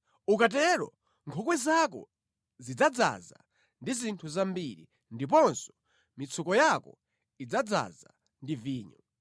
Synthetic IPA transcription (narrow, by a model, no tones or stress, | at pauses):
ukat̬ɛɾɔ̰ | ŋkʰɔkwɛzakɔ̰ | zid͡zad͡za̰za̰ | ndizintʰuzambiɾi | ndip̬ɔnsɔ̥ | mit͡sʰukɔjakɔ | id͡zad͡za̰za̰ | ndiviːɲu